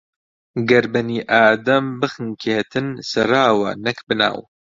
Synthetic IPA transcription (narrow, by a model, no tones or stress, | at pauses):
ɡɐɾbɐniːʔaːd̪ɐmbɨxɨnkʰeːt̪ʰɨnsɐɾaːwɐ̰nɐkbɨna̰ːw